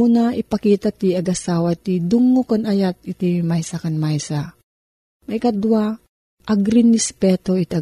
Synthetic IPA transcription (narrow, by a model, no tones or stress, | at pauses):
unaʔipɐkiːt̪at̪iɐɡɐsaːwat̪id̪uŋːokonajat̪̚it̪imajsakɐnmajsa | mɐjkɐd̪wa | ʔɐɡɾɪnɛspɛːt̪oit̪ɐ